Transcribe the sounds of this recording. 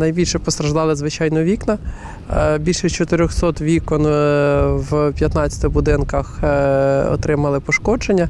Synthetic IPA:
nɐjbʲilʲʃɛpɔst̪ɾɐʒd̪ɑlˠɪzʋɪt͡ʃɑjnɔʋʲiknɐ | bʲilʲʃɛt͡ʃɔt̪ɪɾʲɔxsɔt̪ʋʲikɔn | wpʲjɐt̪nɑt͡sʲɐ̥t̪ɪbʊd̪ɪnkɐx | ɔ̰t̪ɾɪmɐlˠɪpɔʃkɔd͡ʒenʲːɐ

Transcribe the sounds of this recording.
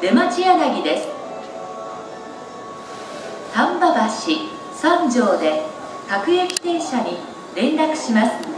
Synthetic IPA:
d̪emat͡ɕianaɡʲid̪e̞sɨ̥ | sãmbabaɕi | sãɲd͡ʑo̞ːd̪e̞ | kakɯ̟ekʲi̥t̪ẽ̞ɰ̃ɕaɲ̟i | ɾẽ̞nɾakɯ̟̥ɕimasɨ̥

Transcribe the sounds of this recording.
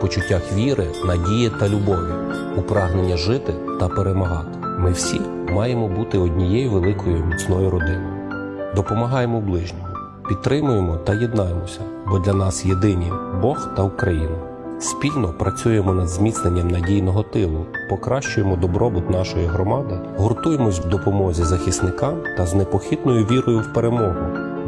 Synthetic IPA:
pɔt͡ʃʊtʲːaxʋʲiɾʔɪnɐdʲijɪt̪ɐlʲʊbɔʋʲi | upɾɑɦnenʲːɐʒɪt̪ɪ | t̪ɐpeɾemɐɦɑt̪ɪ̥ | mɪwsʲi | mɑjemɔbut̪ɪɔdʲnʲijɛjuʋelˠɪkɔjʊmʲit͡sʲnɔjʊɾɔd̪ɪnɔjʊ | d̪ɔpɔmɐɦɑjemɔblˠɪʒnʲɔɦɔ | pʲidt̪t̪ːɾɪmʊjemɔt̪ɐjed̪nɑjemɔsʲɐ | bɔd̪lʲɐnɑsjed̪ɪnʲibɔxt̪ɐukɾɐjinɐ | spʲilʲnɔpɾɐt͡sʲuje̞mɔnɐd̪zʲmʲit̪sne̞nʲːɐmnɐdʲijnɔɦɔt̪ɪlˠʊpɔkɾɑʃt͡ʃʊjemɔd̪ɔbɾɔbʊt̪nɑʃɔjiɦɾɔmɑd̪ɪ | ɦɔrt̪uje̞mɔsʲwd̪ɔpɔmɔzʲizɐxʲisnɪkɑmt̪ɐznepɔxʲid̪nɔjʊʋʲiɾɔjʊwpeɾemɔɦʊ

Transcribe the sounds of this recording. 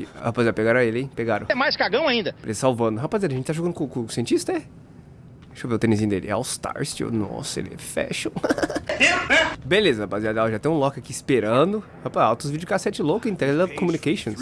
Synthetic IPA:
hapazeɾpeɡaɾ̃elɪẽj̃peɡaɾʊ̃ɛmajskaɡɐ̃w̃aĩnd̪ɐelezɐsawvɐ̃nd̪ʊɦapazeɾɐʒẽt͡ʃɪt̪aʒoɡɐ̃ʊkkõsiẽnt͡ʃist̪ɐɛ | ʃoveʊt̪ẽnɪzĩɲ̃ʊd̪ḛlɪa̰wst̪a̰ɾsd͡ʒo̰nɔ̰sʊḛlɛ̰fɛ̰ʃõeɛbelezɐhapaziad̪awʒat̪ẽj̃ũlɔkɪakiispeɾɐ̃d̪ʊ | hapazawt̪ʊzvid͡ʒʊkaset͡ʃlokʊẽt̪ɛlɛkõmunikeʃõs

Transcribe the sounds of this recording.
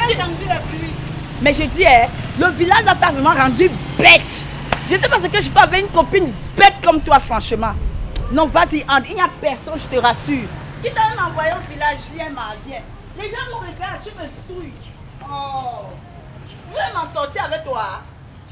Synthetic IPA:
iamzilɛpli | mɛʒəd̪iɛləvilaʒlat̪avʁɛmãʁɑ̃d̪ybɛt̪ | ʒəsɛpaʁsəkəʒəfɛavɛynkɔ̃pinbɛt̪̚kɔmt̪wafʁɑ̃ʃəmɑ̃nɔ̃vaziʔãd̪iniapɛʁsɔ̃nʒət̪əʁasyːʁkid̪avɛ̃mãvwajeɔ̃vilaʒviɛ̃mãvjɛ̃ | leʒãmɔ̃ʁeɡaat̪yməsuj | ɔ | ɛmãsɔʁt̪iavɛk̚t̪wa

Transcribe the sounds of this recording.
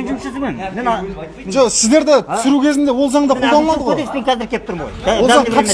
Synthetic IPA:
ʒosɪzd̪e̞ɾd̪ɪt̪ʰʏ̥sʏɾukʲʰe̞zɪnd̪e̞wo̞lˠzɑɴd̪ɑod̪ɑlˠmɑd̪əʁespeŋkʲʰæzɪɾkʲept̪ʊɾmo̰jʰozɑɴʰɑ

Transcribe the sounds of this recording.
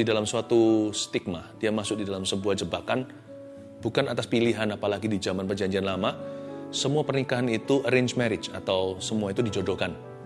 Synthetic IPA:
idalamsuat̪ust̪ik̚mad̥iamasʊk̚didalamsəbuahd͡ʒəbakan | bukanat̪aspiliɦanapalaɡidid͡ʒamanpərd͡ʒaɲd͡ʒianlamasəmuapərnikaɦanit̪uʔəɾeɲd͡ʒmaɾɪt͡ʃat̪awsəmuait̪udid͡ʒodokan

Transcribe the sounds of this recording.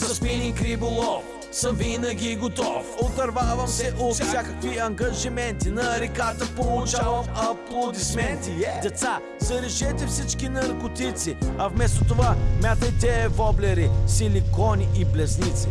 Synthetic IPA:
zspinikɾibolˠɔf | səmvinəɡʲiɡot̪ɔfot̪ɐɾvavɐmsɛʔot̪sʲjakəkviɐŋɡɐʒimɛnt̪inɐɾikat̪ɐpolˠut͡ʃavɐmɐplˠod̪ismɛnt̪id̪ɛt̪sa | zɐɾiʒɛt̪ɛfsit͡ʃkinɐɾkot̪it̪siɐvmɛs̬t̪ot̪ovamʲjat̪ɐjt̪ɛvɔblɛɾisilikɔniʔːplɛznit̪si

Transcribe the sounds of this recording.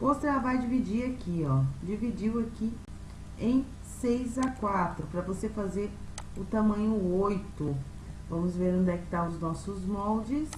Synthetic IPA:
post̪ɛɐvajd͡ʒivid͡ʒiɾakiɔd͡ʒivid͡ʒiwaki | ẽj̃ | sejzakwat̪ɾʊpɾɐvosefazeɾ | ʊt̪amɐ̃ɲʊojt̪ʊ | vɐ̃mʊzveɾũd̪ɛkt̪awʊznɔsʊzmɔwd͡ʒɪs

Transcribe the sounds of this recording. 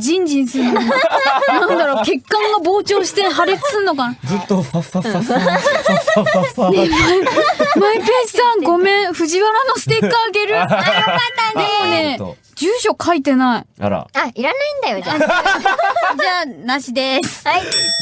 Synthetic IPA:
d͡ʑĩɲd͡ʑĩɰ̃sɨɾɯno | nãnd̪aɾo̞ːke̞kːãŋɡabo̞ːt͡ɕo̞ːɕi̥t̪eɦaɾe̞t͡sɨ̥t͡sɨnːo̞kanad͡zɨt̪ːo | ne | maipeɕi̥sãŋɡo̞mẽ̞ɰ̃ɸɯ̟ʑiβaɾano̞sɨ̥t̪e̞kːaːɡe̞ɾɯanːaonḛ | d͡ʑɨːɕo̞kʰait̪e̞naḭɾa̰aiɾanaĩnd̪ajo | d͡ʑaːnaɕid̪es

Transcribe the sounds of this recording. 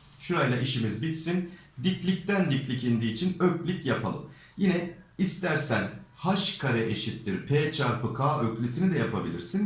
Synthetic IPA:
ʃuɾajlˠaʔiʃimizbit̪sin | d̪iclʲic̚t̪ænd̪iclʲicind̪iːt͡ʃʰinøclʲicjapʰa̰lˠɯ̰m | jinɛist̪ʰæɾsænhaʃkʰaɾɛʔeʃit̪ːiɾpʰeːt͡ʃʰaɾpɯkʰaːʔøclʲyt̪ʰinid̪ɛjapʰabilʲḭɾsin

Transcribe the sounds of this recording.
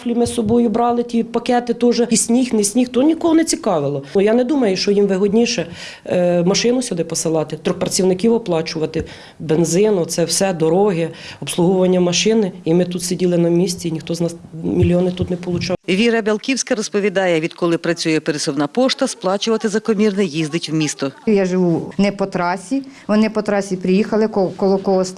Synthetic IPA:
flʲimɪsɔbɔjʊbɾɑlˠɪtʲipɐkɛt̪ɪt̪ɔʒɛsʲnʲixnesʲnʲixt̪ɔnʲikɔɦɔnɛt͡sʲikɑʋɪlˠɔjɑnɛd̪umɐjʊʃt͡ʃɔjimʋɪɦɔdʲnʲiʃɛ | mɐʃɪnʊsʲʊd̪ɪpɔsɪlˠɑt̪ɪt̪ɾʲɔxpɾɐt͡sʲiwnɪkʲiwɔplˠɑt͡ʃʊʋɐt̪ɪ | benzɪnɔt̪sɛwsɛd̪ɔɾɔɦɪɔpslˠuɦɔʋɐnʲːɐmɐʃɪnɪimɪt̪ut̪sʲidʲilˠɪnɐmʲisʲt͡sʲiinʲixt̪ɔznɑsmʲilʲjɔnɪt̪ut̪nɛpɔlˠʊt͡ʃɑʋʲiɾɐbʲɐlˠkʲiwsʲkɐɾɔspɔʋʲid̪ɑjɛʋʲid̪kɔlˠɪpɾɐt͡sʲujɛpeɾɪsɔwnɑpɔʃt̪ɐsplˠɑt͡ʃʊʋɐt̪ɪzɐkɔmʲirnɛjizd̪ɪtʲwmʲist̪ɔjɑʒɪʋunɛpɔt̪ɾɑsʲiʋɔnɪpɔt̪ɾɑsʲipɾɪjixɐlˠɪkɔkɔlˠɔkɔɦɔs

